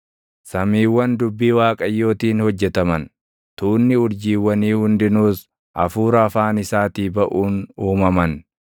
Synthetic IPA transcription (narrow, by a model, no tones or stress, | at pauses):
sɐmiːwːɐnd̪ʊbːiːwaːkʼɐjːo̞ːt̪iːnhɔd͡ʒːɛt̪ɐmɐn | t̪uːnːɪʊɾd͡ʒiːwːɐniːhʊnd̪ɪnuːs | ʔɐ̰fuːɾɐːfaːnɪsaːt̪iːbɐʔuːnuːmɐmɐn